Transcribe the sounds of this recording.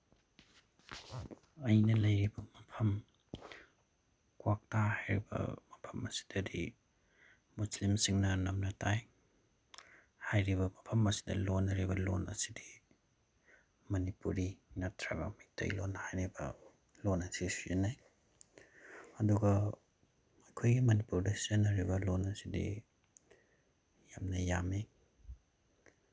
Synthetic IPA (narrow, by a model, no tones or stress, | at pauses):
ɐjnɐlɐjɾibɐmɐpʰɐm | kwak̚tahajɾibɐ̰mɐpʰɐmɐsi̥d̥ɐdi | muslimsiŋnɐnɐmnɐtaj | hajɾibɐmɐpʰɐmɐsi̥dɐ̰lonːɐɾibɐlonɐ̰si̥di | mɐnipuɾinatʰɾa̰ɡa̰mik̚tʰa̰jlonhajɾibɐ̰ | lonasisenaj | ɐduɡɐː | kʰojɡimɐnipuɾdasenɐɾibɐlonɐsidḭ | jamnɐjami